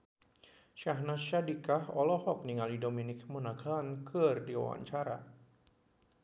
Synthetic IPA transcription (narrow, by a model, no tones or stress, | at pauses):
ʃaɦnaʃadikahɔlɔhɔk̚niŋalidominɪkmənaɡaankʰɨrdiwa̰wa̰ɲt͡ʃaɾa̰